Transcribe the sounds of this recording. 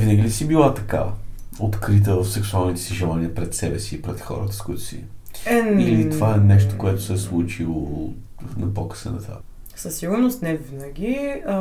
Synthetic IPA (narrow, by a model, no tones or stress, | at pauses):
vinəɡʲilisibilˠat̪ɐka̰ot̪kɾit̪̬əfsɛksualˠnit̪ɛ̥siʒɛlˠaniəpɾɛt̪sɛbɛsiːpɾɛt̪xɔ̰ɾət̪ə̥skoit̪ʊ̥sḭɛilit̪ovaɛnɛʃ̬t̪o̥koɛt̪ʊ̥sɛslˠut͡ʃilˠo | nɐpɔkə̥sə̰nɐt̪a̰səsːiɡʊɾnost̪nɛvinəɡʲi